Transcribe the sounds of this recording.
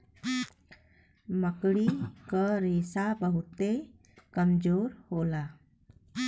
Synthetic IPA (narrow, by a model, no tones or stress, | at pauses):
məkɽikəɾesabəɦut̪e | kəmd͡ʒoɾhola